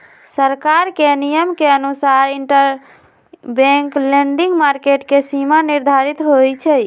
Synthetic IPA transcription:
səɾkaɾkenijəmkeənusaɾiɳʈəɾ | bẽŋklẽɳɖiŋɡmaɾkeʈkesimaniɾd̪ʱaɾit̪ɦojt͡ʃʰɛj

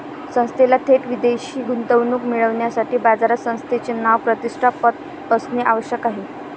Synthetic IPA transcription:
sə̃st̪ʰelat̪ʰeʈʋid̪eɕiːɡunt̪əʋnuːkmiɭəʋɳjasaʈiːbad͡zaɾasə̃w̃st̪ʰet͡ɕenaʋpɾət̪iʂʈʰapət̪̚ | əsneʔaʋəɕjəkaɦe

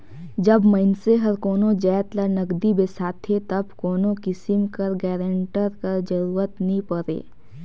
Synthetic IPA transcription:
d͡ʒɐbməɪnseɦɐɾkoːnõd͡ʒɛːt̪lənəɡd̪ibesaːt̪ʰet̪ɐbkoːnõkɪsɪmkɐɾɡɛːɾə̃ɳʈəɾkɐɾd͡ʒəɾuːɾət̪nĩpɐɾḛː

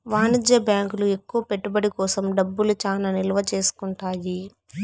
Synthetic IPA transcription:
ʋaːnid͡ʒjɐbjaːŋkulue̞kːuʋɐpe̞ʈːubɐɽikɔːsɐmɖɐbːulut͡ʃaːnaːnilɐʋɐt͡ʃe̞ːsu̥kuɳʈaːji

